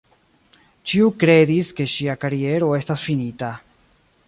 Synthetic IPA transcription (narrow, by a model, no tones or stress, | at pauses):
t͡ʃiukɾeðiskeʃiakaɾjeɾoest̪asfinit̪a